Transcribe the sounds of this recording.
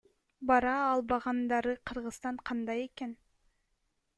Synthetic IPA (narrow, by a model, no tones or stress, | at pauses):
bɑɾɑːlˠbɑʁɑnd̪ɑɾɯqʰɯɾʁɯzt̪ɑɴqʰɑnd̪ɑje̞ken